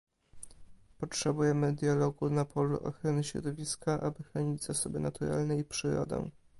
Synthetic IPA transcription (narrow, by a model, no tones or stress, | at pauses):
pɔtʂɛbujɛmɘd̪jalɔɡunapɔlṵʔɔ̰xɾɔnɘɕɾɔ̰d̪ɔvʲiskaʔabɘxɾɔɲid͡ʑzasɔbɘnat̪uɾa̰lnɛipʂɘɾɔ̰d̪ɛ̰